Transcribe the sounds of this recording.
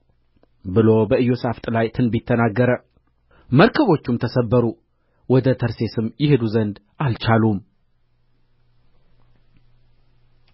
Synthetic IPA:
bɨlo̞bəɨjːosaft̪ʼlajt̪ʰɨnbɪt̪ʰːənaɡːəɾə | məɾkʰəβo̞t͡ʃːumt̪ʰəsəbːəɾu | wɔd̪ət̪ʰəɾse̞sɨmjɪhed̪uzənd̪ | alt͡ʃalum

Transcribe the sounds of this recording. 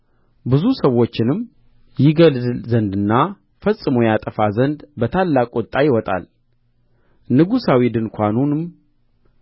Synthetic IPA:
bɨzusəwo̞t͡ʃːɪnɨm | jɪɡəld̪ɨlzənd̪ɨnːa | fəsʼɨmojat̪ʼəfazənd̪bət̪ʰalːakʼot̪ʼːajɪwɔt̪ʼa̰l | nɨɡusawid̪ɨnkʷʰanunɨm

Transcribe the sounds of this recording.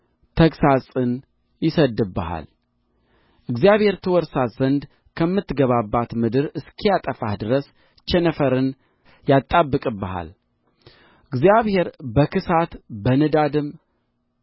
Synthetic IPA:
t̪ʰəksasʼɨn | jɪsəd̪ɨbːəha̰l | ʔɨɡzjaβhe̞ɾt̪ʰəwɔɾsat̪zənd̪ | kʰəmːɨt̪ːɡəβabːat̪mɨd̪ɨɾɨskʰijat̪ʼəfahd̪ɨɾəs | t͡ʃɛnəfəɾɨn | jat̪ʼːabːɨkʼɨbːəha̰l | ʔɨɡzijaβhe̞ɾbəkɨsat̪bənɨd̪ad̪ɨm

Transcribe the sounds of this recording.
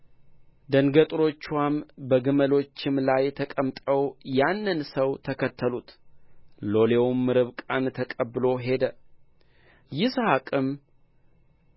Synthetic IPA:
d̪əŋɡət̪ʼɾo̞t͡ʃːwambəɡɨməlo̞t͡ʃːɪmlajt̪ʰəkʼəmt̪ʼəwjanːɨnsəwt̪ʰəkʰət̪ʰːəlut̪ | lo̞le̞wmːɨɾɨβkʼant̪ʰəkʼəbːɨlo̞ɦe̞d̪ə | jɪshakʼɨm

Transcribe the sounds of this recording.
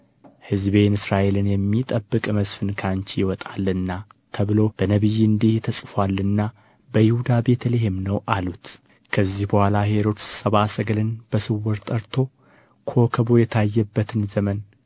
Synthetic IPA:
hɨzbe̞nɨsɾaʔe̞lɨnjɛmːit̪ʼəbːɨkʼməsfɨnkʰaɲt͡ʃjɪwɔt̪ʼalːɨnːat̪ʰəβɨlo̞b̥ənəβɨjːɨnd̪iht̪ʰəsʼfwalːɨnːa | bəjɪhud̪abe̞t̪ʰəleɦemnəwʔalut̪ | kʰəzːihbəhʷalahe̞ɾo̞t̪sɨ̥səβasəɡlɨnb̥əsɨwːɔɾt̪ʼəɾt̪ʰo̞ | kʰo̞kʰəβo̞jɛt̪ʰajːɛbːət̪ʰɨnzəmən

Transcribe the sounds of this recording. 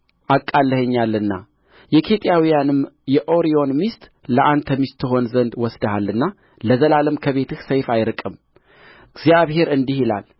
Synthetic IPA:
ʔakʼːalːəhəɲːalːɨnːa | jɛkʰe̞t̪ʼijawijanɨmjɛʔo̞ɾio̞nmist̪ʼləʔant̪ʰəmist̪ʰːɨɦo̞nzənd̪wɔsd̪əhalːɨnːa | ləzəlaləmkʰəβe̞t̪ʰɨhsəjfajɾkʼɨm | ɡzijaβhe̞ɾɨnd̪ihila̰l

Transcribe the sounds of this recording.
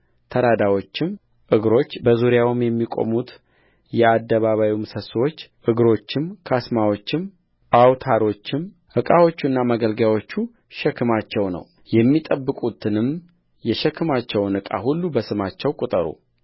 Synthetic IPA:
t̪ʰəɾad̪awo̞t͡ʃːɪm | ʔɨɡɾo̞t͡ʃːbəzuɾjawmjɛmːikʼo̞̰mut̪ | jɛad̪ːəβaβajumsəswo̞t͡ʃːʔɨɡɾo̞t͡ʃːɪmkʰasmawo̞t͡ʃːɪm | ʔawt̪ʰaɾo̞t͡ʃːɪm | ʔɨkʼawo̞t͡ʃːuɨnːamaɡəlɡjawo̞t͡ʃːu | ʃɛkʰːɨmat͡ʃːɛwnə̰w | jɛmːit̪ʼəbːɨkʼut̪ʰɨnɨm | jɛʃɛkʰːɨmat͡ʃːɛwnɨkʼa̰hulːubəsɨmat͡ʃːɛwkʼut̪ʼəɾṵ

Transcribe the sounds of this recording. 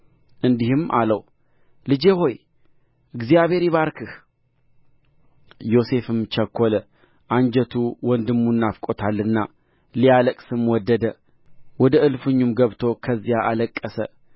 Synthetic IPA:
ʔɨnd̪ihɨmʔa̰ləw | lɨd͡ʒeho̞j | ʔɨɡzijaβe̞ɾiβaɾkʰɨh | jo̞se̞fɨmt͡ʃəkʰʷːolə | ʔand͡ʒɛt̪ʰuwɔnd̪ɨmːunːafkʼot̪ʰalːɨnːa | lijaləkʼsɨmwɔd̪ːəd̪ə | wɔd̪əɨlfɨɲːumɡəβt̪ʰo̞kʰəzːijaʔaləkʼːəsə̰

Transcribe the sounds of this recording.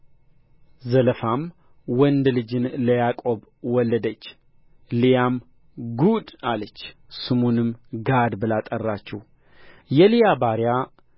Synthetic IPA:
zələfam | wɔnd̪lɨd͡ʒɨnləjakʼo̞b | wɔlːəd̪ət͡ʃː | lijam | ɡud̪alət͡ʃː | sɨmonɨmɡad̪bɨlat̪ʼərːat͡ʃːɛw | jɛlijabaɾja

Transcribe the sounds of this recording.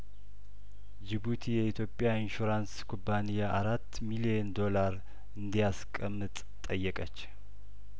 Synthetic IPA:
d͡ʒiβut̪ʰijɛit̪ʰjo̞pʼjainʃuɾanskʰubːanijaʔaɾat̪ːmiliɛnd̪o̞laɾ | ɨnd̪ijaskʼəmːɨt̪ʼ | t̪ʼːəjːɛkʼət͡ʃː

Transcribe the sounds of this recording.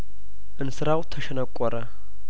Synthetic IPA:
ʔɨnsɨɾawt̪ʰəʃɛnəkʷʼːɔɾə

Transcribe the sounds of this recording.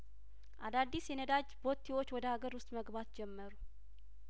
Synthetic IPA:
ʔad̪ad̪ːisjɛnəd̪ad͡ʒbo̞t̪ʰːiwot͡ʃːwɔd̪əhaɡəɾwʊst̪ʼməɡbat̪d͡ʒɛmːəɾu

